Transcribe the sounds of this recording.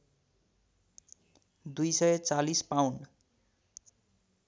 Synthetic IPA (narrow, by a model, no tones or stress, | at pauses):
d̪ujsʌjʌt͡salispawn